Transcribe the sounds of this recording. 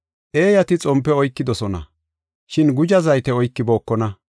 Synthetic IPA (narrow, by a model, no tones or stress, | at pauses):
ʔe̞ːjɐt̪ɪt͡sʼɔmpːɛɔjkːɪd̪ɔsɔnɐ̰ | ʃɪnɡʊd͡ʒɐzɐjt̪ɛɔjkːɪbo̞ːkːɔnɐ